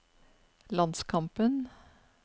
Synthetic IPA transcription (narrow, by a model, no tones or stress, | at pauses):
lɑnskʰɑmpən